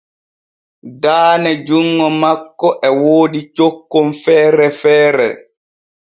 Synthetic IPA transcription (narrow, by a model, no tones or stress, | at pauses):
daːnɛd͡ʒuŋːɔmakːɔʔɛwoːdit͡ʃokːomfɛːɾɛfɛːɾɛ̰